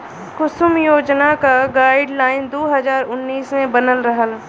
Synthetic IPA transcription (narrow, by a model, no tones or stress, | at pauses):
kʊsʊmjoːd͡ʒnakaɡaːɪɖlaːɪnd̪oːɦəzaːɾʊnːiːsmẽbənəlɾəɦəl